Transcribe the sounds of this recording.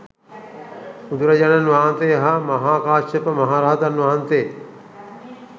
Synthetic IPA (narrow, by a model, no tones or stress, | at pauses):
ud̪uɾɐd͡ʒananʋaːɦnt̪ejɦamɐɦaːkaːʃɐpəmɐɦaːɾaːd̪anʋaːnt̪ej